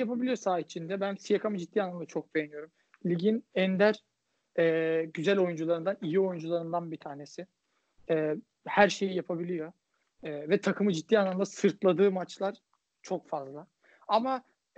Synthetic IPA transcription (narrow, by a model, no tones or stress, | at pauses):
japʰabilʲijo̞saːit͡ʃʰind̪ɛbænsijakʰamɯd͡ʒit̪̚ːiːanːˠamd̪at͡ʃʰo̞k̚be̞jenijo̞ɾum | lʲiɟinɛnd̪æɾ | ɛːɟyzælʲo̞jund͡ʒulˠaɾɯnd̪anijio̞jund͡ʒulˠaɾɯnd̪anbit̪ʰaːne̞sɪ | ɛː | hæɾʃe̞jijapʰabilʲijo̞ | ɛːvɛt̪ʰakʰɯmɯd͡ʒit̪dːiːanːˠamd̪asɯɾt̪ʰlˠad̪ɯːmat͡ʃlˠaɾ̥ | t͡ʃʰo̞kfazlˠa | ama